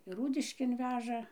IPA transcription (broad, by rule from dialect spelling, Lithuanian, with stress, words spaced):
ɪr ˈruːdʲɪʃʲkʲeːn ˈʋʲæːʒɐ